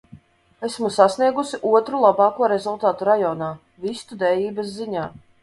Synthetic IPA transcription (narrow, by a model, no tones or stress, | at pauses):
esmusasniɛɡusiʔuɔt̪ɾulˠabɑːkuɔɾɛzulˠt̪aːt̪uɾajɔːnaː | vist̪ud̪ɛːjiːbɐsziɲaː